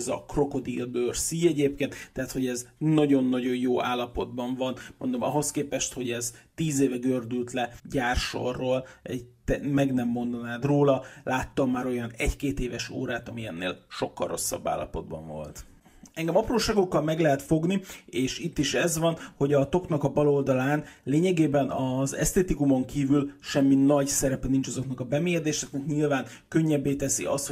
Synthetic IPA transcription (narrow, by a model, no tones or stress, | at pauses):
zɒ̰kro̞ko̞d̪ijɒbøːrsiɛɟeːpkeːnt̪t̪ːɛɦat̪ho̞ɟɛznɒɟo̞nːɒɟo̞njoːʔaːlːɒpo̞d̪bɒɱvɒnmo̞̰nd̪o̞mɒ̰ɦo̞skeːpɛʃt̪ho̞ɟɛzt̪iːzeːvɛɡørd̪ylt̪lɛɟaːrʃo̰rːoːlɛt̪ɛmɛɡnɛmːo̞nd̪ɒnaːd̪roːlɒlʔaːt̪ːɒmːaːɾo̞jɒnɛckeːt̪eːvɛʃo̰ːɾaːt̪ɒmiɛnːḛːlʃo̞kːɒ̰ro̞̰sːɒ̰bːa̰ːlːɒ̰po̞d̪̚bɒ̰ɱvo̞̰lt̪ | ɛŋɡɛmɒproːʃaːɡo̞kːɒlmɛɡlɛɦɛt̪fo̞ɡnieːʃit̪ːiʃɛzvɒnho̞ɟɒt̪o̞knɒkɒbɒlo̞ld̪ɒlaːnleːɲɛɡeːbɛnɒzɛ̰st̪eːt̪ikumo̞ŋkiːvylʃɛmːinɒɟsɛɾɛpɛnint͡ʃɒzo̞knɒkɒbɛmeːjɛd̪eːʃɛknɛkɲilvaːn | køɲːɛbːeːt̪ɛsḭɒ̰st̪